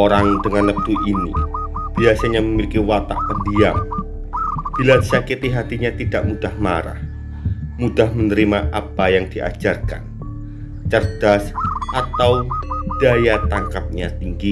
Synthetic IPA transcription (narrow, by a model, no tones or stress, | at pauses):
oɾaŋd̥əŋanləp̚t̪uʔinḭb̥iasaɲaməmilikiwat̪a̰ʔpədiam | b̥iladsakit̪iɦat̪iɲat̪id̥aʔmud̥ahma̰ɾa̰h | mud̥ahmənəɾimaʔapajaŋd̥iʔa̰̥d͡ʒarkan | t͡ʃərd̥asʔat̪awd̥ajat̪aŋkap̚ɲat̪iŋɡi